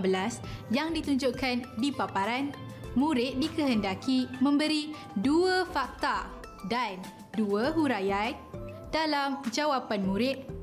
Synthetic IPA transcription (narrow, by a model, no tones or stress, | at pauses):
bəlasjaŋdit̪uɲd͡ʒʊʔkandipapaɾan | mũɾɪt̪̚dikəɦəndakimə̃mbəɾi | duəfak̚t̪a | dan | duəɦuɾaja | dalamd͡ʒawapanmũɾɪt̪̚